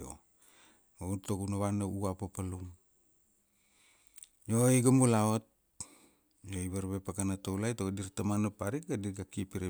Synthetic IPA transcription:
o̰ | outokunaβanauapapaluŋ | joeɡamulaot̚ | joiβaɾβepakanatowlajtokadiɾtamanapaɾik̚ɡadiɡakipiɾe

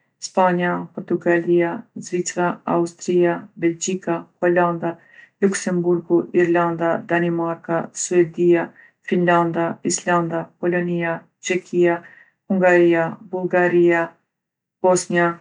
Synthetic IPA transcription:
spaɲapɔɾt̪uɡaliazvit͡saa̰ust̪ɾiabɛld͡ʒikahɔland̪a | luksɛmbuɾɡuʔiɾland̪ad̪animaɾkasuɛd̪ia | finland̪aisland̪apɔlɔnia | t͡ʃɛkʰia | huŋɡaɾiabulˠɡaɾia | b̥ɔsnia

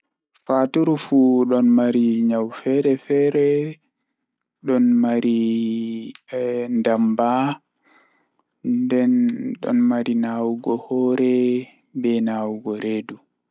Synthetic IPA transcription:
fatuɾufuɗɔnmaɾiɲawfɛɾɛfɛɾɛ | ɗɔnmaɾi | ndamba | ndɛnɗɔ̰nmaɾinawuɡɔhɔːɾɛ | bɛnawɡɔɾedu

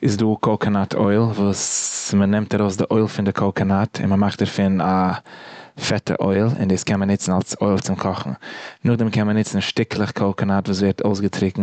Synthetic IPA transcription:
ɪsduːkʰɔlˠkʰanatʰɔ̰ɪlˠvuːsmənɛmtaɾoʊsdɪʔoɪlˠfɪndɪkʰɔlˠkanatʰɪ̰nməmaχtdəɾfɪna | fɛtə̰ʔo̰ɪlˠɪ̰ndiːskɛnmənɪt͡sn̩alˠsoɪlˠt͡sɪmkʰɔχn̩nʊχdɛmkɛnmənɪt͡sn̩ʃtɪkʰlˠəχkʰɔlˠkanatvuːs̬vɛɾtʰoʊs̬ɡətɾɪkŋ̩

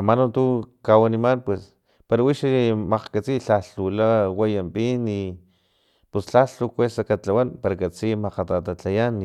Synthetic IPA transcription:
amanot̪ukawanimanpwes | paɾawiʃmaqkat͡siɬaɬulawajampini | pusɬaɬukʷesakat͡ɬawanpaɾakat͡simaqat̪at̪at͡ɬajan

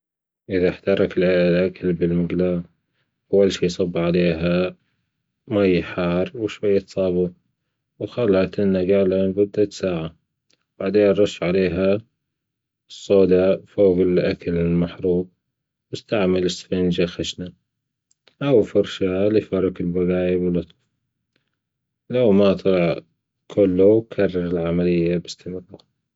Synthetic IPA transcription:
ʔɪðaħt̪ɑɾˤɑkɪlʕeːʔalʔakʰalbɪlmɪɡla | ʔawːalʃiːjsˤɑbːʕaleːɦa | majːħɑːɾˤwʃwajːat̪sˤɑːbu | wxalhat̪ʔɪnːaɡalabʊd̪ːat̪saːʕa | b̥aʕd̪eːnɾˤɑʃːʕaleːɦa | sˤːoːd̪afoːɣɪlʔakalɪlmaħɾˤuːb̚ | wɪst̪aʕmalɪsfɪnd͡ʒaxaʃna | ʔawfɑɾʃalɪfɑɾˤɪkɪlbaɣaːjɪbɪlɑt̪ˤf | lawmat̪ˤlɑʕ | kʰʊlːʊkʰɑrˤːɑɾɪlʕamalɪjːabɪst̪ɪmɾa

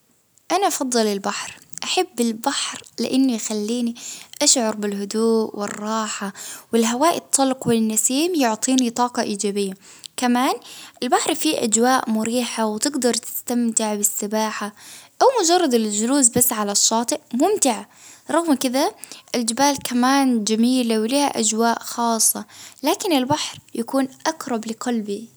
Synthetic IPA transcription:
ʔanaʔɑfɑðˤːɨlɪlbaħɾʔaħabːɪlbaħɾlɪ̰ʔɪnːijxalːiːniʔaʃʕʊɾˤbɪlɦʊd̪uːʔwɪ̰rˤːɑːħawɪlɦawaːʔɪ̰t̪ʰˤːɑlqwɪnːasiːmjʊʕt̪ˤiːnit̪ˤɑːqɑʔiːd͡ʒaːbɪjːa | kamaːnʔɪlbaħɾˤfiʔa̰d͡ʒwaːʔmʊɾiːħawt̪ɪɡd̪ɑɾˤt̪ɪ̥st̪amt̪ɪʕbɪsːɪbaːħaʔawmʊd͡ʒɑrˤːɑd̪ɪld͡ʒʊluːsbasːʕalaʃːɑːt̪ˤɨʔmʊmt̪ɪʕa | ɾˤɑɣmkɪd̪aʔɪld͡ʒɪbaːlkʰamaːnd͡ʒamiːlawliːha̰ʔad͡ʒwaːʔxɑːsˤːɑlaːkɪnɪlbaħɾjakuːnʔakɾˤɑblɪqɑlbi

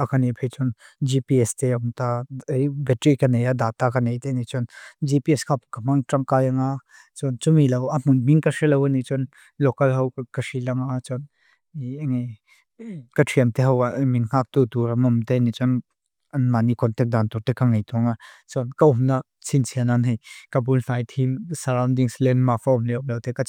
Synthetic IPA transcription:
akanipʰet͡ʃɔn | d͡ʒipiɛst̪eʊmt̪ajbɛtɾikɐnejad̪aːt̪akɐnejt̪enit͡ʃɔnd͡ʒipiɛskʰapkɐmaŋtraŋkajaŋa | t͡sɔnt͡sumilɐwam̥unmiŋkaʂelɐwanit͡ʃɔn | lɔkɐlɦɐwkɐsilɐŋat͡sɔn | ŋ | kɐtʰiəmt̪eɦɐwaʔmiŋŋ̥ak̚t̪ut̪uɾɐmɐmt̪enit͡sɔn | ɐnmanikʰɔnt̪ɛk̚d̪ant̪uɾt̪ekaŋejt̪uŋat͡sɔnkaumna | sʰint͡sʰiananɦejkabunfajt̪ʰimsɐɾawndiŋslɛnmafaɔmlɛumlɐwt̪eka

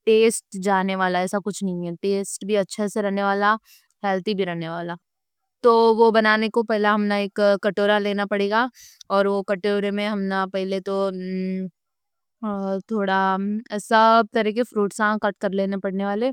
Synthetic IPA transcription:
ʈeːsʈd͡ʒaːneʋaːlaɛːsakʊt͡ʃʰnɐɦĩɛʈeːsʈbʱiɐtːʃʰaseɾɐɦneʋaːla | hɛːlt̪ibʱiɾɐɦneʋaːlaː | t̪oːʋobɐnaːnekopɛɦlaɦɐmnaeːkkːɐʈoːɾaleːnapɐɽeːɡaːɔːɾʋokɐʈoːɾemẽɦɐmnapɛɦlet̪o | t̪ʰoːɽasɐb̚t̪ɐɾiːkefɾuːʈsãkɐʈ̚kɐɾleːnapɐɽ̤neʋaːleː

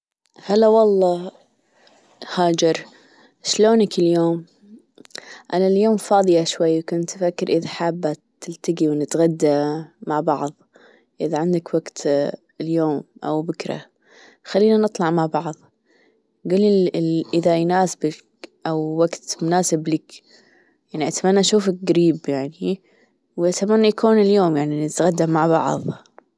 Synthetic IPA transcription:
halːawɑlˤːɑː | haːd͡ʒɪɾ | ʃloːnakɪljoːm | ʔanaljoːmfɑːðˤɨjaʃwajːkʊnt̪ʔafakːɪɾʔɪðaħaːbːat̪ːɪlt̪aɡiwnɪt̪ɣad̪ːamaʕbɑʕðˤ | ʔɪðaʕɪnd̪akwaɡt̪ | ljoːmʔa̰wbɪkɾa̰ | xalːiːnanɨt̪ˤlɑʕmaʕbɑʕðˤ | ɡuːlːiʔɪðajnaːsbak | ʔawːaɡt̪mʊnaːsɪblɪk | jaʕniʔat̪amanːaʔʃuːfɪk̚ɡaɾiːbjaʕni | wʔat̪amanːajakuːnɪljoːmjaʕninɪt̪ɣad̪ːamaʕbɑ̰ʕðˤ

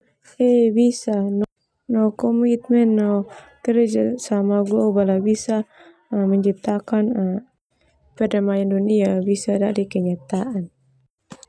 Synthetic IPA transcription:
ɛbisanɔ | nɔkɔmit̪̚mɛnːɔ | kɛɾɛd͡ʒasamaɡɔʔɔbalabisa | mɛɲd͡ʒip̚t̪akana | pɛdamajanduniabisadaʔdikɛɲat̪aʔan

